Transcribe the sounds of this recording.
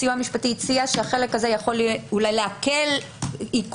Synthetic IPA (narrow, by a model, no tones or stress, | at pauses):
ijuamiʃpatit͡siaʃehaχe̞le̞kazejaχo̞lulajleake̞l | ik